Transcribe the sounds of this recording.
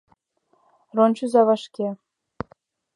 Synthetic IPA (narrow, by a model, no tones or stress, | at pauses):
ronʲt͡ɕuzɑvɑʂkʲe